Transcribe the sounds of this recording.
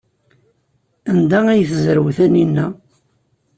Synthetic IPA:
ænd̪ææjθzəɾəwθæninːæ

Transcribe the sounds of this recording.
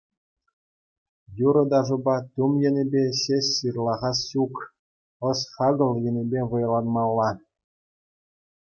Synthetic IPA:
juɾɤ̆d̪ɑʐŭbɑt̪umjɘ̆nʲĕbʲeɕesʲːɯrlˠɑʁɑsɕuk | ɤ̆sχɑɡɤ̆lˠjɘ̆nʲĕbʲeʋɤ̆jlˠɑnmɑlˠːɑ

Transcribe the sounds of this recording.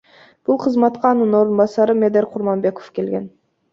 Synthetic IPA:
b̥ulˠqʰəzmɑt̪qɑːnɯno̞ɾunbɑsɑɾɨmed̪eɾqʰʊɾmɑnbe̞ko̥fke̞lɡe̞n

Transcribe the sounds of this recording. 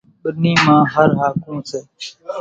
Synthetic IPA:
ɓəniːmãːɦəɾɦaːkũːseː

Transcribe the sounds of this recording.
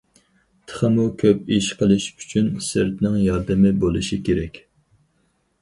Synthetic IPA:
t̪ʰə̥χəmukʲʰøpiʃqʰəlˠɨʃy̥t͡ʃʰynsɨɾt̪nɪŋjɑɾd̪ɨmɪbolˠɨʃikʲʰeɾɛkʲ

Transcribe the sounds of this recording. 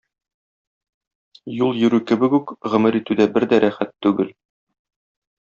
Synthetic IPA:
julˠjɵ̆ɾʉkɘ̆bɘkʉkʁɤ̆mɘɾit̪ʉd̪æbɘɾd̪æɾʔæχæt̪ːʉɡɘl

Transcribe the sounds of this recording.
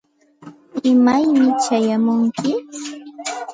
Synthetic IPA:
ɪmajmɪt͡ʃajamʊŋkɪ

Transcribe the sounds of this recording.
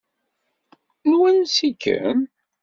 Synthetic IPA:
nwænsikːə̰n

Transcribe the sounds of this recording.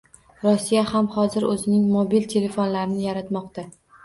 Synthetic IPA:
ɾɒsːijahamhɒzɪɾɵzɪnɪŋmobilt̪ʰe̞le̞fonlaɾɪnɪjaɾat̪mɒqt̪a

